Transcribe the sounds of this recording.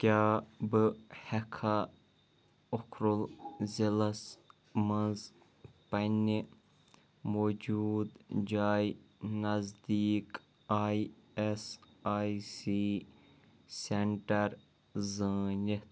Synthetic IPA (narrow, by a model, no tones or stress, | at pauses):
kʲjaːbɨhɐkʰa | okʰɾʊlzilɐs | mɐ̃nz | pɐni | moːd͡ʒuːd̪d͡ʒaːjnɐzd̪iːk | aːiesaːjsiː | seɳʈɐɾ | zəːnit̪